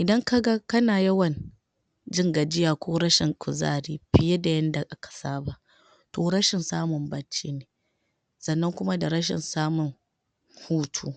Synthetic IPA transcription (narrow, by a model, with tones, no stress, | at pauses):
ʔɪ˨dɐ˦ŋka˦ɡa˦kɐ˦naː˨jɐ˦wɐ˨n | d͡ʒɪ˦ŋɡa˨d͡ʒɪ˦jaː˨kʷoː˦ɾɐ˦ʃɪ˨ŋkʷʊ˨za̰ː˦ɾiː˦ɸɪ˨ja˦da˨jɐ˦nda˨ʔa˦kḁ˨saː˦ba˨ | toː˨ɾɐ˦ʃɪ˨nsaː˦mʊ˨mbɐ˨t͡ʃːiː˦neː˨ | sɐ˨nːɐ˦ŋkʷʊ˦ma˦da˨ɾɐ˦ʃ̬ɪ̰˨nsaː˦mʊ˨ŋ | huː˦tʰuː˦